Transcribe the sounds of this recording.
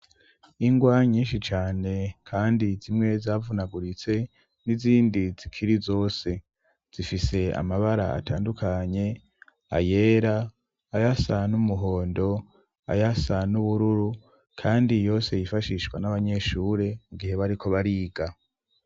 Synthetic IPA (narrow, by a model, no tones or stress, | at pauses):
iŋɡwaɲiːnʃit͡ʃaːne̞kʰaːndizimŋe̞zaːvunaɡuɾit͡se̞ | niziːndiz̥ikʰiɾizo̞ːse̞ | z̥ifise̞a̰maβaɾa̰a̰taːndukʰaɲe̞ | a̰je̞ːɾaː | jasanumuɦo̞ːndo̞ | a̰jasanuβuɾuɾu | kʰaːndijo̞ːse̞jifaʃiʃɡwa̰naβaɲe̞ʃuːɾe̞muɡihe̞βaɾiko̞βaɾiːɡa